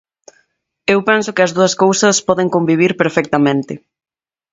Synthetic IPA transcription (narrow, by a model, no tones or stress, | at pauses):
ewpɛnsokɪɐzðuɐskowsɐspɔðɪŋkombiβ̞iɾpeɾfɛk̚t̪ɐmẽnt̪ɪ